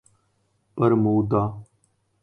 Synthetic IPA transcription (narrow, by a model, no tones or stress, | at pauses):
pəɾmuːd̪aː